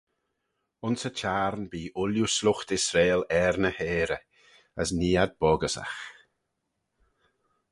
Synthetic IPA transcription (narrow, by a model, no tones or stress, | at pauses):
ʊnsət͡ʃaːɾnbiːʔʊljuslʊxt̪ɪsɾeːlɛːɾnəheːɾə | əsniːad̪̚b̥ɔɡəsa̰x